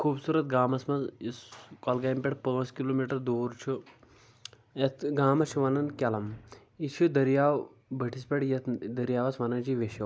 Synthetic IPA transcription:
kʰuːbsuːɾɐt̪̚ɡaːmɐsmɐziskɔlɡaːjmpʲeʈpɐʋɐnskiloːmiːʈɐɾd̪oːɾt͡ʃʰu | et̪ʰɡaːmɐt͡ʃʰuʋɐnɐnkʲɐlɐm | it͡ʃʰud̪ɐɾjaːw | bʱɐʈʰispʲɐʈjɐt̪ʰd̪ɐɾjaːʋɐsʋɐnɐnd͡ʒiʋeʃɐ

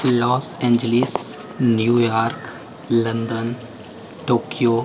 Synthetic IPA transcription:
lɔːsɛ̃ːɲd͡ʒəlɪsnjuːjaːɾk | lɐ̃nd̪ən | ʈoːkijoː

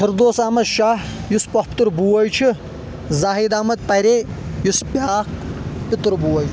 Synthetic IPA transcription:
t̪ʰɨɾd̪oːsaːmɐʃaːɦjuspɐhpʰʲt̪ɨɾbuwɐjt͡ʃʰi | zaːɦid̪aːmɐd̪̚pɐɾejuspaːkpit̪ɨɾbuwɐjt͡ʃʰ

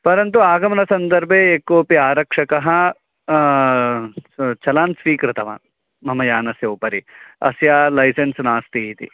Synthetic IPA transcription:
pɐɾɐnt̪̬uaːɡɐmɐnɐsɐnd̪ɐɾbʱeːeːkːoːpiaːɾɐkʂɐkɐɦɐ̆ | t͡ʃɐlaːnsʋiːkɾɪt̪ɐʋa̰ːn | mɐmɐjaːnɐsjɐːpɐɾiɐ̰sjaːlɐjsensnaːst̪iɦit̪ḭ

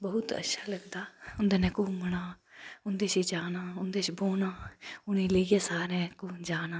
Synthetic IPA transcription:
bəɦʊt̪ə̰tːʃʰaːləɡd̪aːʊnd̪eːnɛ̃ːkuːmənaː | ʊnd̪eːsiːd͡ʒaːnaːʊnd̪eːt͡ʃboːnaːʊnĩːləiːeːsaːɾẽːkuːnd͡ʒaːnaː

